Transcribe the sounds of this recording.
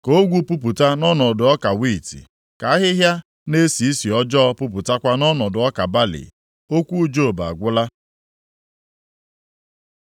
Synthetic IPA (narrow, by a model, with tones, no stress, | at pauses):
ko˦ɡʷu˦pu˦p̬ʊ˨ta˦nɔ˦nɔ˨dʊ˨ɔ˦ka˨wi˦˨tḭ˨ | ka˨a˦ɦɪ˦ɦja˦ | ne˦si˨i˦si˨ɔ˦d͡ʒɔ˦ɔ˦pʊ˦p̬ʊ˨ta˦kʷa˦nɔ˦nɔ˨dʊ˨ɔ˦ka˨ba˦lɪ̰˨ | o˦kʷu˦d͡ʒo˦˨ba̰˨a˨ɡʷʊ˦la˦